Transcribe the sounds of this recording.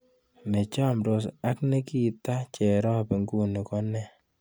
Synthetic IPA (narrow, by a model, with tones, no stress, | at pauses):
me˨t͡ʃa˦˨mɾo˨sa˦kne˦ki˦ta˦t͡ʃɛ˨ɾɔ˦˨pɛ˨ŋɡu˦ni˨kɔ˦nɛ˦˨